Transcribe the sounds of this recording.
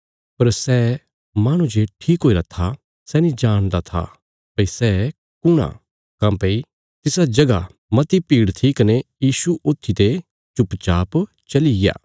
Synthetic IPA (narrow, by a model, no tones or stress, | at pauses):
pɐɾsɛː | maːɽ̃ũd͡ʒeːʈʰiːkɦoːiɾɐt̪ʰːa | sɛːnĩd͡ʒaːɽ̃d̪at̪ʰa̰ | pɐisɛː | kʊɽ̃a̰ | kãːpei | t̪ɪsad͡ʒɐɡa | mɐt̪ipiːɽt̪ʰikɐnejiːsuʔot̪ʰːit̪e | t͡ʃʊpt͡ʃaːp | t͡ʃɐliɡja̰ː